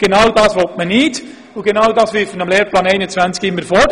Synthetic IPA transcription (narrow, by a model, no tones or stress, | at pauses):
ɡ̥enawdɑːsʋɔltmənɪt | ʊɡenawdɑːsʋɪɾfənɑmleːɾplɑːnɛɪnət͡svænt͡skɪmːəɾfɔ